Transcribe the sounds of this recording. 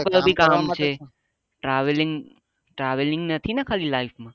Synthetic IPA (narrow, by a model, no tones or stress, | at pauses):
klobʱikamt͡ʃʰe | ʈɾaʋliŋɡ | ʈɾaʋeliŋɡnət̪ʰinakʰalilaifʰmã